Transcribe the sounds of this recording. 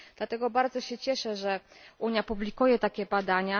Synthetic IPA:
d̪̥lat̪ɛɡɔbaɾd̪zɔɕɛt͡ɕɛʂɛʐɛuɲjapublʲikujɛt̪akʲɛbad̪aɲa

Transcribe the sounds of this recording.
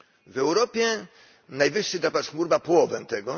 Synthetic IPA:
vɛwɾɔpʲjɛ | najvɘʂːɘd̪ɾapaxmuɾbapɔwɔvɛnt̪ɛɡɔ

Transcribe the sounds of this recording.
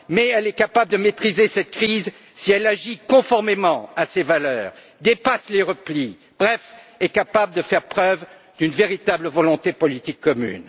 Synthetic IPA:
mɛɛlɛkapabləd̪əmet̪χizesɛt̪̚kχiz | siɛlaʒikɔ̃fɔʁmemɑ̃asevalœːʁ | d̪epasleʁəpli | b̥ʁɛfɛkapabləd̪əfɛʁpχœv | d̪ynveʁit̪abləvɔlɔ̃t̪epɔlit̪ikʰːɔmy̰n

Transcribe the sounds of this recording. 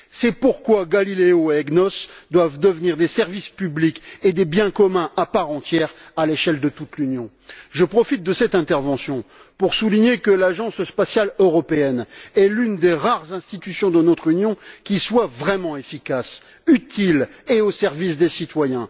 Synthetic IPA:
sɛpuʁkwaɡalileoɛɡnɔsd̪wavd̪əvniʁd̪esɛʁvispybliked̪ebjɛ̃kɔmɛ̃ʔapaʁɑ̃t̪jɛʁaleʃɛld̪ət̪ut̪lynjɔ̃ | ʒəpχɔfit̪̚d̪əsɛt̪ɛ̃t̪ɛʁvɑ̃sjɔ̃ | puʁsuliɲekəlaʒɑ̃sspasjaløʁɔpeɛnɛlynd̪eʁaʁzɛ̃st̪it̪ysjɔ̃d̪ənɔt̪χynjɔ̃kʲiswavʁɛmɑ̃efikas | yt̪ʰileosɛʁvis̬d̪esit̪wajɛ̃

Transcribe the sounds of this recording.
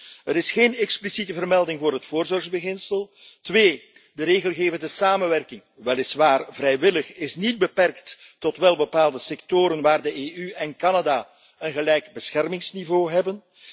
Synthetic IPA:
əɾɪsxeːnɛksplisitəvərmɛlˠdɪŋvʊːrɦətfʊːrzɔrɣzbəɣɪnsəlˠ | tʋeː | dəɾeːɣəlˠɣeːvəndəsaːmənʋɛrkɪŋ | ʋɛlɪsʋaːrvrɛjʋɪləxɪsnid̚bəpɛrkttɔtʋɛlˠbəpaːlˠdəsɛktoːɾənʋaːrdəʔeːʔyɛnkɑnada | ənɣəlɛjkbəsxɛrmɪŋsnivoːɦɛbən

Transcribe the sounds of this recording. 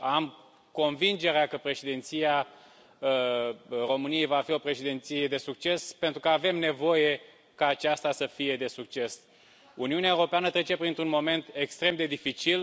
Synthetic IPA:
am | ko̞nvind͡ʒe̞ɾeakəpɾe̞ʃid̪ent̪sija | ro̞mɨnije̞jvafio̞pɾe̞ʃid̪ent̪sije̞d̪e̞suk̚t͡ʃe̞spe̞nt̪ɾukəave̞mne̞vo̞je̞ | kaːt͡ʃast̪asəfije̞d̪e̞suk̚t͡ʃe̞s | uniuneaewuɾopeanət̪ɾe̞t͡ʃe̞pɾint̪ɾunmo̞me̞nt̪e̞kst̪ɾe̞md̪e̞d̪ifit͡ʃil

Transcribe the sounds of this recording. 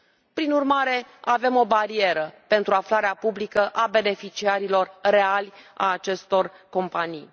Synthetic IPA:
pɾinurmaɾe̞ave̞mo̞baɾie̞ɾəpe̞nt̪ɾuaflaɾeapublikəʔabe̞ne̞fit͡ʃiaɾilo̞rre̞alʲa̰ːt͡ʃe̞st̪o̞r | ko̞mpanḭj

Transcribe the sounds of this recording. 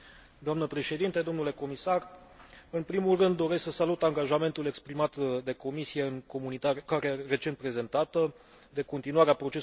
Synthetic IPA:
d̪oamnəpɾe̞ʃe̞d̪int̪ed̪o̞mnule̞ko̞misarɨnpɾimulrɨnd̪ːo̞ɾe̞sksəsalut̪aŋɡaʒame̞nt̪ule̞kspɾimat̪d̪e̞ko̞misije̞ɨŋko̞munit̪aɾekaɾeere̞t͡ʃe̞nt̪pɾe̞ze̞nt̪at̪ə | d̪e̞ko̞nt̪inuaɾeapɾo̞t͡ʃe̞s

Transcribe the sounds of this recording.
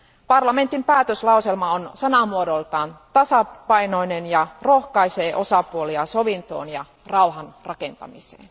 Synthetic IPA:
pɑrlɑme̞nt̪ːimpæːt̪øslɑuselmɑonsɑnɑmuodolt̪ɑːnt̪ɑsɑpɑino̞inenjɑrohkɑiseːʔo̞sɑpuoliɑsoʋint̪o̞̰ːnjɑ | rɑuwhɑnrɑkent̪ɑ̰misḛːn

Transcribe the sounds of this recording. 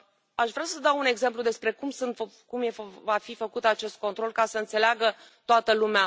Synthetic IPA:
aʃvɾeasəd̪awune̞ɡze̞mplud̪e̞spɾe̞kumsɨnt̪kumje̞fvafifəkut̪at͡ʃe̞st̪̚ko̞nt̪ɾo̞lkasəɨnt̪se̞leaɡət̪oat̪əlumea

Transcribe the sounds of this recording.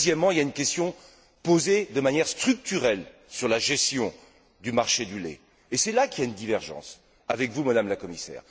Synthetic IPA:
zjɛmːɑ̃iljaynkʲɛst̪jɔ̃ | pozed̪əmanjɛʁst̪χyk̚t̪yʁɛlsyʁlaʒɛst̪jɔ̃ | d̪ymaʁʃed̪ylḛː | sɛlakʲiaynd̪ivɛʁʒɑ̰̃s | avɛkvumad̪amlakɔmisɛ̰ːʁ

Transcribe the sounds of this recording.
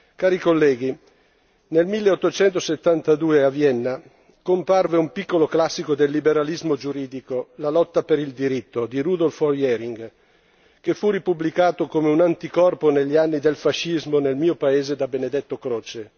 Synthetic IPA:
kaːɾikolːɛːɡ̟i | nelmilːeɔt̪ːot͡ʃɛnt̪oset̪ːant̪ad̪uːeavjɛnːa | komparveumpikːoloklasːikod̪elːibeɾalizmod͡ʒuɾiːd̪ikolalɔt̪ːapeɾild̪iɾit̪ːod̪iɾud̪olfojɛɾiŋɡ | kefuripublikaːt̪okomeunant̪ikɔrponeʎːianːid̪elfaʃːizmonelmiːopaeːzed̪abened̪et̪ːokɾoːt͡ʃe

